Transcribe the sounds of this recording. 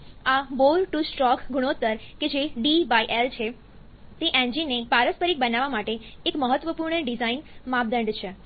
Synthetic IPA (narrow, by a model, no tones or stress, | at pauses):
aboɾʈusʈɾɔkɡʱuɽ̃ot̪əɾked͡ʒeɖibaiʔelt͡ʃʰe | t̪eʔɛ̃ɲd͡ʒinːepaɾəspəɾik̚bənaʋamaʈeːkməɦət̪ʋəpuɾɳəɖizainmabd̪ə̃ɳɖt͡ʃʰe